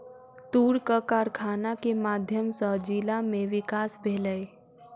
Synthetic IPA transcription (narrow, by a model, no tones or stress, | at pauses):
t̪uːɽkəkaɾkʰaːnakemaːd̪ʱjəmsəd͡ʒilamẽʋɪkaːsbʱeːləe